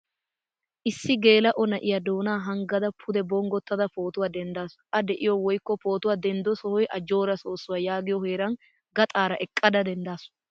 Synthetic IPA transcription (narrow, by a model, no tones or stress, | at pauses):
ʔɪsːɪɡe̞ːlɐʔɔnɐʔɪjɐd̪o̞ːnaːɦɐŋɡɐd̪ɐpʰʊd̪ɛbɔŋɡɔt̪ːɐd̪ɐpo̞ːt̪ʊwaːd̪ɛnd̪aːsʊ̥ʔɐd̪ɛʔɪjɔwɔjkːɔpo̞ːt̪ʊwaːd̪ɛnd̪ɔsɔhɔjʔɐd͡ʒo̞ːɾɐso̞ːsːʊwaːjaːɡɪjɔheːɾɐn | ɡɐt̪ʼaːɾɐʔɛkʼːɐd̪ɐd̪ɛnd̪aːsʊ̥